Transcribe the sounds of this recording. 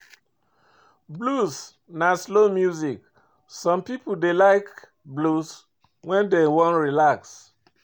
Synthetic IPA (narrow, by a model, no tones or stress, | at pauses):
blus | naslomjuzik | sɔ̃mpipodelaɪk | blus | wɛ̃ndewɔ̃nɹilaks